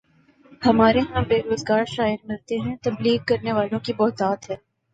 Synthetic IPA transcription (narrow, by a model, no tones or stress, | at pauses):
hɐmaːɾeɦãbeːɾoːzɡaːɾʃaːɪɾmɪlt̪eɦɛ̃t̪ɐbliːɡ̚kɐɾneʋaːlõkibɔːt̪aːt̪ɦɛː